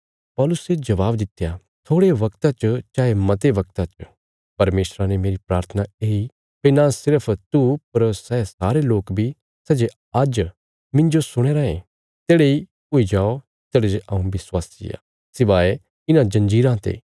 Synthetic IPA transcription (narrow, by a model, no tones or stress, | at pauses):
pɔːlʊsed͡ʒɐʋaːbd̪ɪt̪ja | t̪ʰoːɽeʋɐkt̪at͡ʃət͡ʃaːemɐt̪eʋɐk̚t̪at͡ʃə | pɐɾmeːsɾanemeːɾipɾaːɾt̪ʰənaeːi | penãsɪɾəpʰt̪upɐɾsɛːsaːɾeloːkbʱi | sɛd͡ʒe | ɐd͡ʒ | mɪ̃nd͡ʒosʊɽ̃eːɾaːẽ | t̪eːɽei | ʊid͡ʒaːo | t̪eːɽed͡ʒeʔãũʋɪswaːsd͡ʒɪ̰ja̰ː | sɪʋaːe | ɪnãd͡ʒɐ̃nd͡ʒiːɾãt̪ḛː